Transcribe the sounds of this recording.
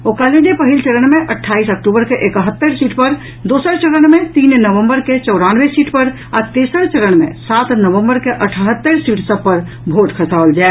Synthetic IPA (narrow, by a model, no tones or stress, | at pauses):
okaled͡ʒepəɦilt͡ʃəɾəɳ̃meʔəʈʰːaisəkʈubəɾkeʔekɦət̪ːəɾsiːʈpəɾ | d̪osəɾt͡ʃəɾəɳ̃met̪innəʋəmbəɾket͡ʃəʊɾanʋesiʈpəɾ | at̪esəɾt͡ʃəɾəɳ̃mḛsat̪nəʋəmbəɾkeʔəʈʰəɦət̪ːəɾsiʈsəb̚pəɾ | bʱoʈkʰəsald͡ʒae